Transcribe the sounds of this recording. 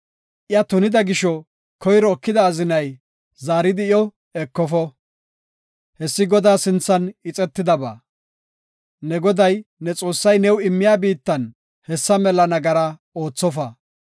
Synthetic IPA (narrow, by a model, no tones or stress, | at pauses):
ʔɪjɐt̪ʊnɪd̪ɐɡɪʃɔ | kʰɔjɾɔːkːɪd̪ɐːzɪnɐj | zaːɾɪd̪ɪjɔ | ɛkːɔfɔ | hɛsːɪɡɔd̪aːsɪnt͡sːɐnɪt͡sʼɛt̪ːɪd̪ɐba̰ː | nɛɡɔd̪ɐjnɛt͡sʼo̞ːsːɐjnɛwɪmːɪjaːbiːt̪ːɐn | hɛsːɐmɛlɐnɐɡɐɾɐ | o̞ːt͡sːɔfɐ